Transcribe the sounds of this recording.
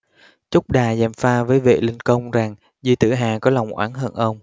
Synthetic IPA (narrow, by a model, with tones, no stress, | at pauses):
t͡ɕʊ˦˥k͡p̚ɗaː˨˩zɛ˧˨˩mfaː˧vəː˨˦jvḛ˧˨lï˧ŋkə˧wŋ͡mza˨˩ŋ | zi˧t̪ɨ̰˧˩ɦaː˨˩kɔ˨˦la˨˩wŋ͡mʔwa̰ː˨˦nɦəː˧nʔə˧wŋ͡m